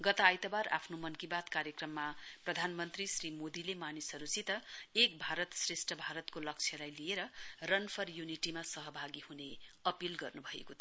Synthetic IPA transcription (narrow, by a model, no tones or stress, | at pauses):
ɡʌt̪aːjt̪ʌbaɾa̰pʰnomʌnkibat̪kaɾjekrʌmːaprʌd̪ʱanmʌnt̪risrimod̪ilemanisɦʌɾusit̪ʌek̚bʱaɾʌt̪sresʈʰʌbʱaɾʌt̪kolʌk̚t͡sʰjʌlajlijeɾʌrʌnpʰʌrjuniʈimasʌɦʌbʱaɡihuneʌpilɡʌrnubʱʌḛkot̪ʰ